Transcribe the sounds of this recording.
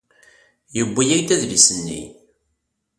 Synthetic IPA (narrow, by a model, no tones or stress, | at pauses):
jəbːijæjd̪æðlisənːḭ